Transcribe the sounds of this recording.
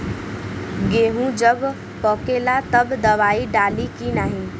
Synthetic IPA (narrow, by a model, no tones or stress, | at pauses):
ɡeɦũd͡ʒʌb | pʌkelat̪ʌbd̪ʌβaiɖalikinaɦĩ